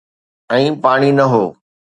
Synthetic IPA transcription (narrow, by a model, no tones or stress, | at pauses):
ɛ̃ːpaːɽ̃inɐɦoː